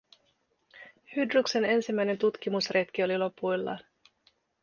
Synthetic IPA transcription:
hydrukse̞ne̞nsimːæjne̞nt̪ut̪kimusret̪k̟io̞lilo̞pujlːɑ̰ːn

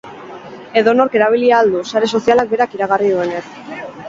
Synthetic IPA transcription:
e̞ðo̞no̞ɾke̞ɾaβ̞iliaːld̪usaɾe̞s̬o̞sialak̚be̞ɾakiɾaɣariðue̞nes

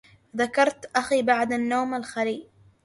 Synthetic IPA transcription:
ðakɑɾˤt̪ʔaxiːbaʕd̪anːoːmalxaliː

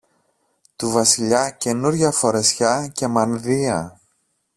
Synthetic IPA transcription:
t̪uvɐsiʎɐce̞nuɾʝɐfo̞ɾe̞sçɐce̞mɐnðiɐ

